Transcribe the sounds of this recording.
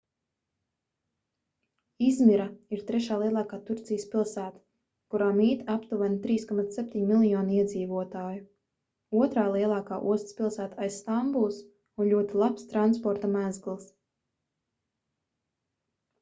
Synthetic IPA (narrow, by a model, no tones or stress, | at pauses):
izmiɾaiɾt̪ɾɛʃaːlˠiɛlˠɑːkaːt̪uɾt̪sijəspilˠsæːt̪ḁ | kuɾaːmiːt̪apt̪uvant̪ɾiːskɔmat̪sːɛp̚ʲt̪ʲiɲmilˠjɔːniɛd̪ziːvuɔt̪aːju | uɔt̪ɾaːlˠiɛlˠɑːkaːʔuɔst̪spʲilˠsæːt̪aajsːt̪ambulˠs | unʎʲuɔt̪ilˠapst̪ɾanspɔɾt̪amæzɡlˠs